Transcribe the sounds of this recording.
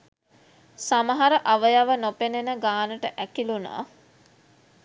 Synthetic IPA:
saməɦaɾəʔaʋəjaʋənopenenəɡaːnəʈəʔækiluna̰ː

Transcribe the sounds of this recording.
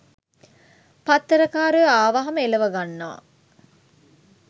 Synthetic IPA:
pat̪ːəɾɐkaːɾujəaːʋaɦɐməelɐʋɐɡanːɐʋa̰

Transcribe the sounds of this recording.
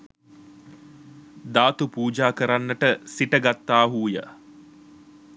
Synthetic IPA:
d̪aːt̪upuːd͡ʒaːkəɾanːəʈəsiʈəɡat̪ːaːɦuːjə̰

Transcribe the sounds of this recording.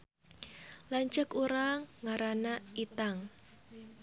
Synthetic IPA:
laɲt͡ʃəkuɾaŋːaɾanait̪aŋ

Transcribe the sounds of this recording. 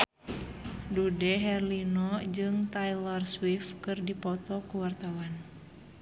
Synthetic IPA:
dudɛɦɛrlinɔd͡ʒɨŋt̪ailɔrswifkɨrdipɔt̪ɔkuwart̪awan

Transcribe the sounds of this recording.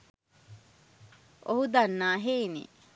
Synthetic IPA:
ʔoɦud̪anːaːɦeinḭ

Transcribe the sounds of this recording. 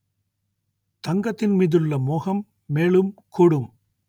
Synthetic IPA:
t̪ɐŋɡɐt̪ːɪnmiːðɯɭːɐmoːɣɐmː | eːɭɯmkʰuːɽɯm

